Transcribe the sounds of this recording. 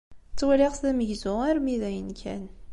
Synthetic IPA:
t͡sːwæliʁsðæməʝzʊæɾmiðæjənkʰæ̰n

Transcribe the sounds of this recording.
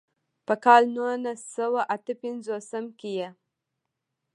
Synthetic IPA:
pəkɑlnunasawaʔat̪əpɪnzosəmkeje

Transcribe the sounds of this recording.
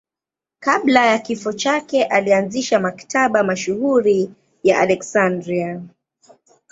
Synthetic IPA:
kablajakifɔt͡ʃakɛʔalianziʃamaktaɓamaʃuhuɾi | jaʔalɛksandɾia

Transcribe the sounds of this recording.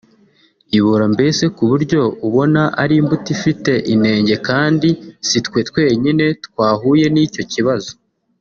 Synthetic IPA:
iβuɾambe̞se̞kuβuɾɟo̞uβo̞naʔa̰ɾimbutifite̞ʔine̞ːɲɟe̞kaːndisitkwe̞twe̞ːɲine̞tkwaːɦuje̞nico̞ciβazo̞

